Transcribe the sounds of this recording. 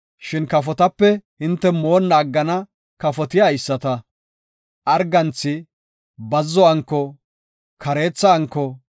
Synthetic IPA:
ʃɪnkɐfɔt̪ɐpːɛhɪnt̪ːɛmo̞ːnːaːɡːɐnɐ | kɐfɔt̪ɪjaɪsːɐt̪ɐ | ʔɐɾɡɐnt͡sːɪ | bɐzːɔɐŋkːɔ | kʰɐɾe̞ːt͡sːɐːŋkːɔ

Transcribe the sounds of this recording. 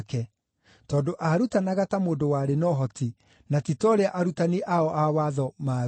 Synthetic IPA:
kɛ | tɔːndoʔaɾutanaɣatamoːndowaːɾenɔɦɔti | natitɔɾeaʔaɾutaniʔaɔʔawaðɔma

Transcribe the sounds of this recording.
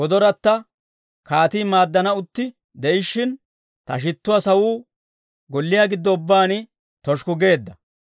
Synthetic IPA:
wɔd̪ɔɾɐt̪ːɐ | kaːt̪iːmaːd̪ːɐnɐʊt̪ːɪ | d̪ɛʔɪʃːɪn | t̪ɐ̰ʃ̬ɪt̪ːʊwasɐwuː | ɡɔlːɪjaːɡɪd̪ːɔʊbːaːnɪ | t̪ɔʃkʊɡe̞ːd̪ːɐ

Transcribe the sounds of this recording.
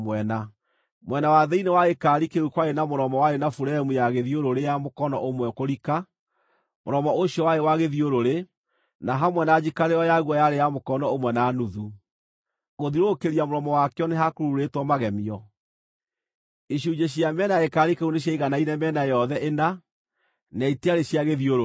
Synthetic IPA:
mwɛna | mwɛnawaðɛinewaekaɾikeukwaenamoɾɔmɔwaɾenafuɾɛɛmujaɣeðioɾoɾejamokɔnɔʔomwɛkoɾika | mo̰ɾɔmɔoɕjɔwaewaɣeðioɾoɾe | naɦamwɛnad͡ʑikaɾeɔjaɣwɔjaɾejamokɔnɔomwɛnanuðu | ɣoðiɾokeɾiamoɾɔmɔwakɛɔneɦakoɾuɾetwɔmaɣɛmiɔ | iɕud͡ʒeɕ̬iamɛnaekaɾikeuneɕ̬aiɣanainɛmɛnajɔðɛʔena | nɛiteaɾeɕiaɣeðioɾo

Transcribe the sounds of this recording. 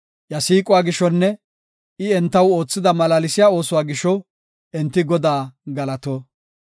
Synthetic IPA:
jɐsiːkʼʊwaːɡɪʃɔnːɛ | ɪɛnt̪ːɐwoːt͡sːɪd̪ɐmɐlaːlɪsɪjaːo̞ːsʊwaːɡɪʃɔ | ɛnt̪ːɪɡɔd̪aːɡɐlɐt̪oː

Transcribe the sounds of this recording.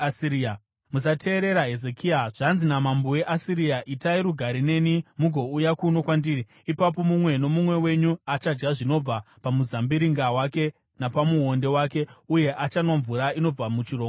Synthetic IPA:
siia | musatʰe̞ːɾe̞ɾaɦe̞zekiaʐ̥anzinamambowe̞ʔasiɾiaʔitaiɾuɡʱaɾine̞nimuɡʱo̞ujakuno̞kwandiːri | ipap̬o̞mumwe̞no̞mumwe̞we̞ɲuat͡ʃad͡ʒɡaʐino̞b͡vapamuzambiɾiŋɡawake̞ | napamuɦo̞nde̞waːke̞uje̞ʔat͡ʃanoɱvuɾaino̞b͡vamut͡ʃiro

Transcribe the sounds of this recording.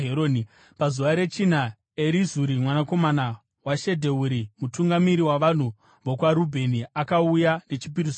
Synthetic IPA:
ɦeɾoni | pazuʋaɾe̞t͡ʃin̤a | e̞ɾizuɾimwanako̞mana | waʃe̞dʱe̞uɾimutuŋɡamiɾiwaʋan̤u | ʋokwaɾubʱe̞niakaujane̞t͡ʃip̬iɾiso

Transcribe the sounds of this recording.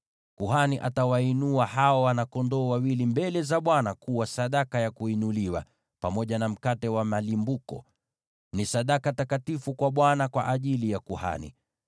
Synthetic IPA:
kuɦaniʔatawainuahaɔwanakɔndɔːwawilimbɛlɛzaɓwanakuwasaɗakajakuinuliwa̰ | pamɔʄanam̩katɛwamalimbukɔ̰ | nisaɗakatakatifukwaɓwanakwa̰ʔaʄilijakuha̰nḭ

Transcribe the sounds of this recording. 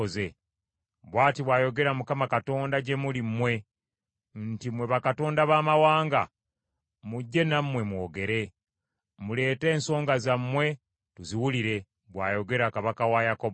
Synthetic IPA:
ze̞ | βwaːtiβwaːjo̞ɡe̞ɾamukamakato̞ːndaɟe̞mulimːwe̞ | ntimwe̞βakato̞ːndaβaːmawaːŋɡa | muɟːe̞namːwe̞mwo̞ːɡe̞ɾe̞ | mule̞ːte̞ːnso̞ːŋɡazamːwe̞ | tuziwuliɾe̞ | βwa̰ːjo̞ɡe̞ɾakaβakawajakob

